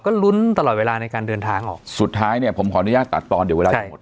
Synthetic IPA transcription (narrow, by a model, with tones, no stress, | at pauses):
kɔː˥˩lu˦˥nt̪a˧lɔː˨˩t̪̚weː˧laː˧na˧jkaː˧ndɤː˧nt̪ʰaː˧ŋʔɔ̰ː˨˩ksu˨˩t̪ʰːaː˦˥jni˥˩ɐpʰo˩˦mkʰɔː˨˦ʔnu˦˥jaː˥˩k̚t̪a˨˩t̪ːɔː˧ndi˨˦e˧aː˧t͡ɕa˧˥˩